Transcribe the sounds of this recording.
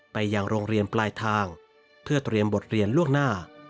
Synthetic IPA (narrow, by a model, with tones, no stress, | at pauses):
pa˧jːaː˧ŋɾoː˧ŋɾi˧ənplaː˧jt̪ʰaː˧ŋ | pʰɯ˥˩ɐt̪ɾi˧əmbo˨˩t̪̚ɾi˧ənlu˥˩əŋnaː˥˩